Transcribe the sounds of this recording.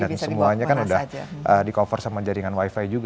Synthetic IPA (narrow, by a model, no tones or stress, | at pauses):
nat̪səmuaɲakanudahʔədikofɔrsaməɲd͡ʒaɾiŋanwaifajd͡ʒuɡ